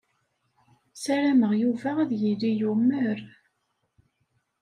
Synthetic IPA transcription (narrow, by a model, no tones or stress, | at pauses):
sæɾæməʁjuvæʁæðjilːijumːəɾ